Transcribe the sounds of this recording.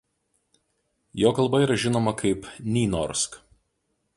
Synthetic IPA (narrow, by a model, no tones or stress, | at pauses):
joːkɐlˠˑbɐiːɾɐʒʲɪnoːmɐkʰɐɪpnʲiːnɔɾsk